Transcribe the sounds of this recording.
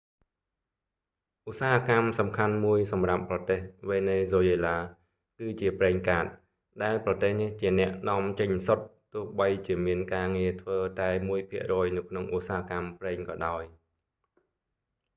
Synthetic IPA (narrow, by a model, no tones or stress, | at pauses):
ʔusaːɦakamsɑmkʰanmuəjsɑmrapːrɑt̪eːhʋeːneːzoːjeːlaː | kɨːt͡ɕiəprɛːŋkaːt̪̚ | ɗaɛlprɑt̪eːhniht͡ɕiənɛ̆əʔnɔ̆əmt͡ɕəɲsot̪ːʊ̆əhɓəjt͡ɕiəmiənkaːŋiət̪ʰʋəːt̪aɛmuəjpʰiəʔrɔːjnɨwkʰnoŋʔusaːɦakamprɛːŋkɑːɗaɔj